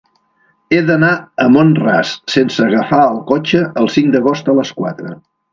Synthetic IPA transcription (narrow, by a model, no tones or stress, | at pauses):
eðənaəmonra̰ssensəːɣəfaəlˠkot͡ʃəəlˠsiŋkd̪əɣ̞ost̪ələskwat̪ɾə̰